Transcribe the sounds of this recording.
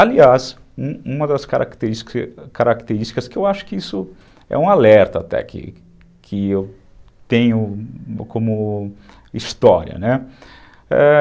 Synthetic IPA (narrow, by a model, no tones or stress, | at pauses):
alias | ũũmɐd̪ɐskaɾʔa̰kt̪eɾiskaɾʔakt̪eɾiʃt͡ʃi̥kɐskɪewaʃʊ̥kɪisʊ | ɛ̰ũalɛɾt̪ɐːt̪ɛ̰kʰɪ̰ | kʰɪew | t̪ẽɲʊkʰõmʊ | ist̪ɔɾiɐ̰nɛ | ɛ̰